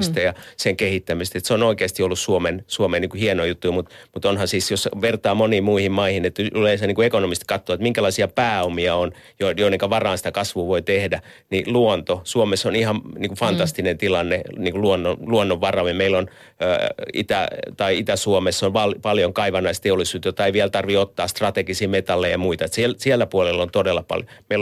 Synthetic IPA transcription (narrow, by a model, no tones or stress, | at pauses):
st̪ɑjɑseŋkehit̪ːæmist̪et̪seonoikeːst̪iolːussuomensuomeniŋkuhienoijut̪ːujmut̪mut̪onhɑsiːsjosʋert̪ɑːmoniːmuihimmɑihinet̪ːleːˑsɑniŋkuekonomist̪kɑt̪ːoɑt̪miŋkælɑisiɑpæːomiɑon | jojoneŋkæʋɑrɑːnsi̥t̪ækɑsʋuːʋoit̪ehdæ | niluont̪osuomesonihɑmniːŋkufɑnt̪ɑst̪inent̪ilɑnːeniːŋkuluonːonluonːoʋʋɑrɑʋimeilon | ḭt̪æ̰t̪ɑiit̪æsuomesːonʋɑlpɑljoŋkɑiʋɑnɑist̪eolːisuːt̪jot̪ːɑeiʋiælt̪ɑrʋiot̪ːɑːst̪rɑt̪eɡisiːmet̪ɑlːejjɑmuit̪ɑet̪silsiælːæpuolelːont̪odelːɑpɑ̰ljomeil